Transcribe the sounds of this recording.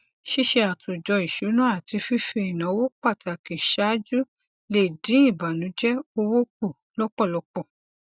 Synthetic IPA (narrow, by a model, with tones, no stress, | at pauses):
ʃi˦ʃe˧a˨tʰo˨d͡ʒɔ˧i˨ʃu˨˦nũ˦a˦˨ti˧fi˦fi˧i˨nã˨˦wo˦k͡pa˦˨tʰa˨ki˨ʃa˨˦d͡ʒu˦ | le˦˨dĩ˨˦i˦˨ba˨nũ˨˦d͡ʒɛ˦o˧wo˦k͡pu˦˨ | lɔ˦k͡pɔ˦˨lɔ˨˧k͡pɔ˦˨